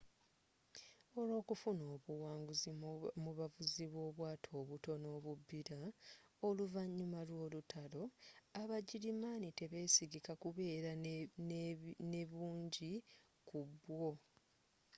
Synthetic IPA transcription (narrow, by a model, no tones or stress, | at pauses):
o̞lo̞ːkufuno̞ːβuwaːŋɡuzimuβavuziβwo̞ːβwaːtʰo̞ːβuto̞no̞ːβubːiɾaoluvaɲːumalwo̞ːlutʰalo̞aβaɟiɾimaːnite̞βe̞siɡikakuβe̞ːɾa | ne̞βuːɲɟi | kubwo̞